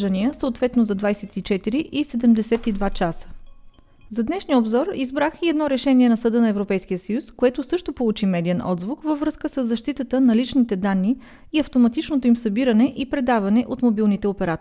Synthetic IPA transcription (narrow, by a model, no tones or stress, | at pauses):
ʒəniəsəot̪vɛt̪nozɐd̪vajsɛt̪it͡ʃɛt̪iɾiʔisɛd̪ɛmd̪ɛsɛt̪id̪vat͡ʃasə̥ | zɐd̪nɛʃnijəobzɔɾizbɾaxiɛd̪nɔɾɛʃɛniɛnɐsɐd̪ənɐɛvɾopɛjsk̟ijəsəjuskoɛt̪ʊsɤʃt̪opolˠut͡ʃimɛd̪ijɛnʔɔ̰d̪zvukvəvɾɤskəsəzːɐʃt̪it̪ət̪ənɐlit͡ʃnit̪ɛd̪anːiː | ɐft̪omɐt̪it͡ʃnot̪oimsɐbiɾənɛʔipɾɛd̪avɐnɛʔot̪mobilˠnit̪ɛopɛɾat̪